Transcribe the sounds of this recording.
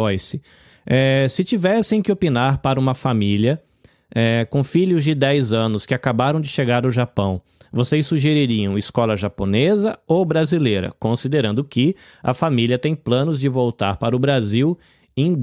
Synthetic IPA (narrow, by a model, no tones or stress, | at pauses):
ɔjsɪ | ɛsɪt͡ʃivɛsẽj̃kɪopinaɾpaɾɐũmɐfamiliɐ | ɛkõfiʎʊzd͡ʒɪd̪ɛjzɐ̃nʊskɪakabaɾɐ̃w̃d͡ʒɪʃeɡaɾaʊʒapɐ̃w̃ | vosejsːuʒeɾiɾiɐ̃w̃iskɔlɐʒaponezɐobɾazilejɾɐ̰kõsid̪eɾɐ̃nd̪ʊkɪ | ɐ̰familiɐt̪ẽj̃plɐ̃nʊzd͡ʒɪvowt̪a̰ɾpaɾʊbɾaziw | ẽj̃